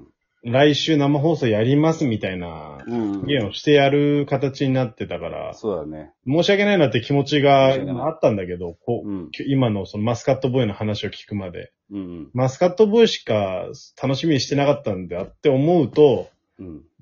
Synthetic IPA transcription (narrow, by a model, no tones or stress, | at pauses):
ɾaiɕɨːnamaɦo̞ːso̞ːjaɾʲimasɨmʲit̪aina̰ɡẽ̞ːo̞ɕi̥t̪e̞jaɾɯ̟kat̪at͡ɕiɲ̟inat̪ːe̞t̪akaɾa̰o | mo̞ːɕiake̞nainat̪ːeikʲimo̞t͡ɕiɡaimaːt̪ːãnd̪ake̞d̪o̞kokʲoimano̞so̞nomasɨ̥kat̪ːo̞boino̞hanaɕio̞kʲi̥kɯ̟mad̪e̞̰ | masɨ̥kat̪ːo̞boiɕi̥kat̪ʰano̞ɕimʲiɲ̟iɕi̥t̪e̞nakat̪ːãnd̪at̪ːe̞o̞mo̞ɯ̟t̪o̞